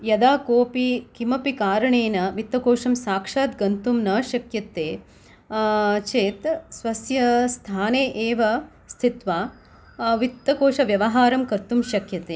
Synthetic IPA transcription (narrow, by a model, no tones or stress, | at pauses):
jɐd̪aːkoːpikimɐpikaːɾɐɳeːnɐʋit̪ːɐkoːʂɐmsaːkʂaːt̪ɡɐnt̪umnɐːʃɐkjɐt̪ːeː | t͡ʃeːt̪sʋɐsjɐst̪ʰaːneːʔeːʋɐ | st̪ʰit̪ʋaː | ʋit̪ːɐkoːʂɐʋjɐʋɐɦaːɾɐmkɐɾt̪umʃɐkjɐt̪eː